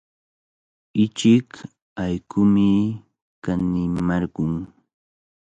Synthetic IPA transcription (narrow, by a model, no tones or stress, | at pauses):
ɪt͡ʃɪk | ajkʰʊmɪ | kanɪmɑɾɢʊŋ